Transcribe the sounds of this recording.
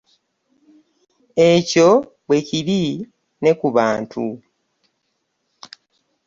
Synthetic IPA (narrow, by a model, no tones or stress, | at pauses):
e̞co̞ | βwe̞ciβi | ne̞kuβaːntʰu